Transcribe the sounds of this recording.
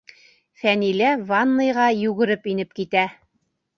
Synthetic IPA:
fænilævɑnːɤ̆jʁɑjʉɣɘ̆ɾɘpinɘp̚kit̪æ

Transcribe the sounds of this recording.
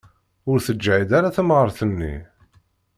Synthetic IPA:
ʊɾθəd͡ʒːʕid̪aɾaθəmʁəɾˤθənːḭ

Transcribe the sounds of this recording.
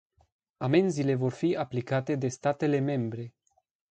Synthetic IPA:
ame̞nzile̞vo̞rfiaplikat̪e̞d̪e̞st̪at̪e̞le̞me̞mbɾe̞

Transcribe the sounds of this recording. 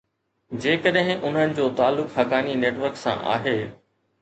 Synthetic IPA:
d͡ʑeːkəɗɦɪ̃ʔʊn̤ənɪ̆d͡ʑoːt̪aːlːʊkhɐkaːnineːʈʋəɾksã̰ʔa̰ːɦeː

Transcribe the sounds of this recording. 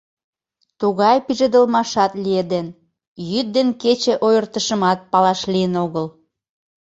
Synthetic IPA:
t̪uɣɑjpiʒə̆d̪əlmɑʃɑt̪lied̪en | jyt̪̚d̪enket͡ɕeʔojərt̪əʃəmɑt̪̚pɑlɑʃlijənoɣəl

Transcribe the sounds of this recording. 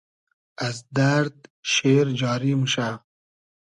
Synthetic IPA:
azd̪aɾd̪̚ʃeːɾd͡ʒɑːɾimuʃa

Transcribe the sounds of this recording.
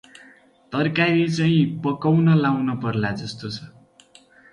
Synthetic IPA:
t̪ʌrkaɾit͡sʌĩpʌkʌwnʌlawnʌpʌrlad͡zʌst̪ot͡sʰʌ

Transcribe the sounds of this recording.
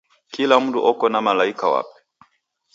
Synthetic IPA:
kilam̩duʔɔkɔnamalaikawa̰pɛ̥

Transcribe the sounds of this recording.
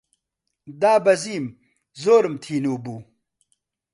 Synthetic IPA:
d̪aːbɐziːm | zoːɾmt̪ʰiːnoːbuː

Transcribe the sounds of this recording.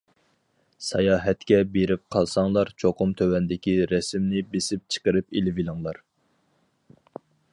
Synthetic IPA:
sɑjɑːɦɛt̪kʲɛbeɾɪp̚qʰɑlˠsɑŋlˠɑɾt͡ʃʰoqʊmt̪ʰøwɛnd̪ɪkʲiɾɛsmnɪbesɪp̚t͡ʃʰə̥qəɾɨpilɪvilˠɨŋlˠɑɾ

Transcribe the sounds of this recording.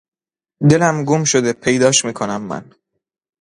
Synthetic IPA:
d̪e̞læmɡumʃo̞d̪e̞pʰe̞jd̪ɒːʃmiːkʰo̞næmːæ̰n

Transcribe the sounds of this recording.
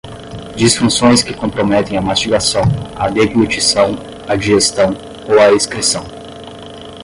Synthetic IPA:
d͡ʒisfũsõj̃skɪkõmpɾomɛt̪ẽj̃ɐmast͡ʃiɡasɐ̃w̃a̰d̪eblut͡ʃisɐ̃w̃ | ad͡ʒiʒest̪ɐ̃w̃ | owaiskɾisɐ̃w̃

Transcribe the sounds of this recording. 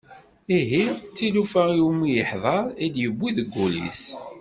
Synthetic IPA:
iɦit͡sːilufæiumːijəħðˤɑɾˤid̪jəbːiðəɡːulḭs

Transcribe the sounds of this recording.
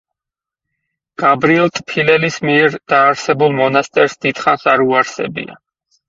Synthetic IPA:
ɡ̥abɾiɛlˠt̪ʼpʰilɛlismiɛɾd̪aːɾsɛbulˠmɔnast̪ʼɛɾsd̪̥id̪̥χansaɾuaɾsɛ̰bḭa̰

